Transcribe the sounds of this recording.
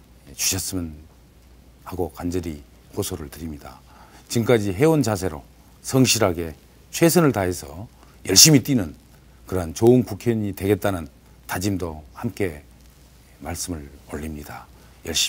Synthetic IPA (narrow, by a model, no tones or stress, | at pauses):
t͡ɕu̥ɕʰʌs͈ɯmʌn | haɡokand͡ʑʌɾi | hosʰoɾɯɭtɯɾimɲida̰ | t͡ɕimŋk͈ad͡ʑiɦe̞wont͡ɕasʰe̞ɾo̰ | sʰʌŋɕʰiɾaɡe̞ | t͡ɕʰwe̞sʰʌnɯɭtaɦesʰʌ | jʌɭɕ͈imit͈inɯn | kɯɾɦant͡ɕoɯnkukʰjʌɲitwe̞ɡe̞t̚t͈anɯn | tad͡ʑimdohamk͈e̞ | maɭs͈ɯmɯɭo̰ʎːimɲida | jʌɭɕ͈